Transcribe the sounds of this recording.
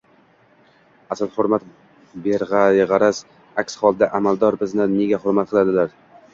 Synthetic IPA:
asɪlˠhoɾmat̪ | beɾʁaʁɑɾas | akʲshɒlˠd̪aʔamalˠd̪ɒɾbɪznanneɡʲahʊɾmat̪̚qʰɨlad̪ɪlaɾ

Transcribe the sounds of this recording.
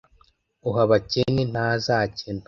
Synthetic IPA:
uɦaβacenin̥haːzaːcent

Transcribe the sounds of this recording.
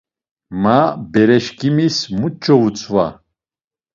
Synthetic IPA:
mabɛɾɛʃkʰʼimismut͡ʃʰʼːɔut͡sʼva̰

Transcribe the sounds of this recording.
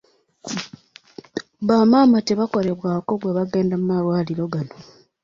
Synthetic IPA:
βaːmaːmate̞βako̞ɾe̞βwaːko̞ɡwaβaɡe̞ːndamumaɾwaːliɾo̞ɡano

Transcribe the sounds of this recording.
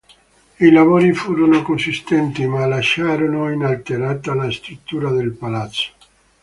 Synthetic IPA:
ilavoːɾifuːɾonokonsist̪ɛnt̪imalaʃːaːɾonoinalt̪eɾaːt̪alast̪ɾut̪ːuːɾad̪elpalat̪sːo̥

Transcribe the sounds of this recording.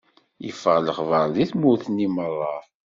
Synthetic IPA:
jə̰fəʁləχvəɾˤðiθmʊθənːimərˤːɑv

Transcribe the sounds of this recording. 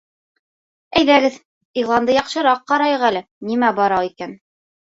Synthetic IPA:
æjðæɡɘð | iʁlˠɑnd̪ɤjɑqʃɤ̆ɾɑqːɑɾɑjɤʁælɘ | nimæbɑɾɑwikæn

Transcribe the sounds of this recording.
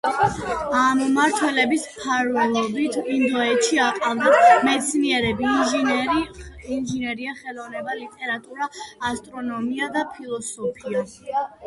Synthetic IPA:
ammaɾt̪ʰwɛlɛbismpʰaɾvɛlˠɔbit̪ʰind̪ɔɛʃiaqʼald̪amɛt̪sʰniɛɾɛbi | inʒinɛɾiaχɛlˠɔvnɛbalit̪ʼɛɾat̪ʼuɾaːst̪ʼɾɔnɔmiad̪apʰilˠɔsɔpʰia

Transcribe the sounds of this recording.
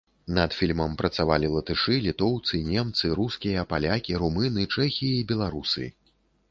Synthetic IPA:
nɐt̪fʲilʲmɐmpɾɐt̪savalʲilˠɐt̪ɨʂɨlʲit̪ɔwt̪sɨnʲɛmt̪sɨɾuskʲijɐpalʲakʲiɾumɨnɨt͡ʂɛxʲijiibʲɛlˠaɾusɨ̰

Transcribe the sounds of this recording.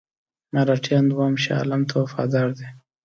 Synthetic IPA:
maɾaʈʰjɑnd̪wɑːmʃɑ̰lamt̪ʰowfɑ̰d̪ɑːɾd̪e

